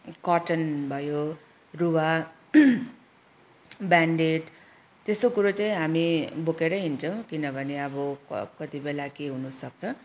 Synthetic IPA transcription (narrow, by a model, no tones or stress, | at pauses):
kʌʈʌnbʱʌjo | rua | baɳɖeʈ | t̪est̪okuɾot͡saĩɦamibokeɾʌɦint͡sʰʌw̃kinʌbʱʌneʌbʌʌkʌt̪ibelakeɦunusʌk̚t͡sʰʌ